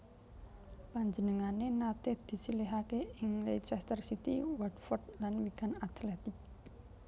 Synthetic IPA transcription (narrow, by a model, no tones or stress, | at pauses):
paɲd͡ʒənəŋanenat̪ed̪̥i̤sileɦakeɪŋleit͡ʃɛst̪ərsit̪iwadfɔd̪lanwiɡ̥a̤nat̪lɛt̪ɪk̚